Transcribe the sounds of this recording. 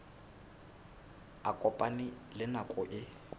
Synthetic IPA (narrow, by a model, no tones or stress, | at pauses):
akʼɔpʼanɪ | lɪnakʼʊʔɪ